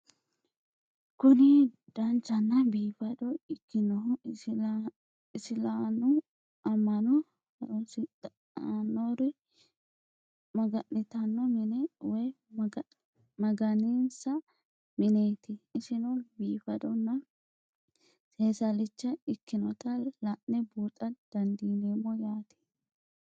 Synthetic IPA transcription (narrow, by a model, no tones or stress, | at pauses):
kʊnɪ | d̪̥ɐnt͡ʃːɐnːɐbiːfɐd̪ɔɪkːɪnɔ | ɪsɪlanʊ | ɐmːɐnɔ | ɐɔsɪt̪ː | nːɔɾɪ | mɐɡɐnːɪt̪ɐnːɔmɪnɛwɔj | mɐɡɐniːnsɐ | mɪneːt̪ɪɪsɪnɔbiːfɐd̪ɔnːɐ | seːsɐlɪt͡ʃːɐɪkːɪnɔt̪ɐlɐʔnːɛbuːt̪ʼɐd̪̥ɐnd̪iːneːmːɔjaːt̪ɪ̥